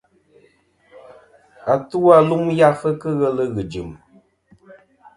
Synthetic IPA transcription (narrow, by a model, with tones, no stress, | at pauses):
a˨tu˦a˦˨lu˦ŋja˦fə˦kɨ˦ɣə˦lə˦ɣɨ˨d͡ʒɨ˨m